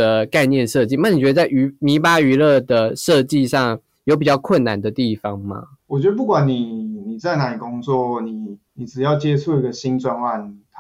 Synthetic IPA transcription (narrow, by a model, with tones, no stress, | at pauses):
ə˨ka˥˧ɪnjɛ˥˧nʂɤ˥˧t͡ɕi˥˧na˥˩n˨˩t͡ɕɥɛ˧˥d̪ə˧t͡sa˥˩ɪʔy˧˥mi˧˥pa˥y˧˥lɤ˥˩d̪ə˩ʂɤ˥˧t͡ɕi˥˧ʂɑ˥˩ŋ | jo˧˥ʊp̬i˨˩t͡ɕjɑ˥˧ʊkʰwə˥˩nnːa˨˦nd̪ə˨t̪i˥˩fɑ˦ŋma̰˦ | wɔ˨˩t͡ɕɥɛ˧˥d̪ə˧p̬u˥˩kwa˨˦nni˨˩ni˨˩t͡sa˥˩ɪna˧˥i˨˩kʊ˦ŋt͡swɔ˥˨˩ni˨˩ni˨˩ʈ͡ʂɻ̩˨˩jɑ˥˩ʊt͡ɕjɛ˦t͡sʰu˥˧i˧˥ɡə˨ɕi˦nt͡swa˥˧nwa˥˩nʰ